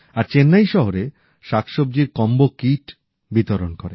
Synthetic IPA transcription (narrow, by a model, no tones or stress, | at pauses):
aɾt͡ɕenːajʃɔɦoɾe | ʃakʰʃobd͡ʑiɾkɔmbokiʈ | bit̪oɾonkoɾe